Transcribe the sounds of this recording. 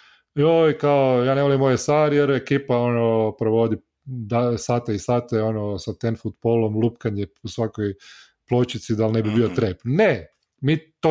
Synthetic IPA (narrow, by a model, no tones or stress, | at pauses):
jojkaojaːneʋolimːojesaːɾjeɾekiːpaonopɾoʋo̞d̪i | d̪asaːt̪aisaːt̪eonosat̪enfut̪bolomlˠupkaɲeusʋakoj | plˠot͡ʃit̪sid̪alnebibiot̪ɾepnne | mit̪o